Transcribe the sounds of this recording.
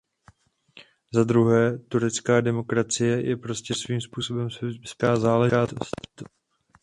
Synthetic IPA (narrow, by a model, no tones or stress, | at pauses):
zad̪ɾuɦɛːt̪uɾɛt͡skaːdɛmo̞kɾat͡sɪjɛjʔɛ̰pɾo̞scɛsviːmspuːso̞bɛmsskaːzaːlɛʒaːst̪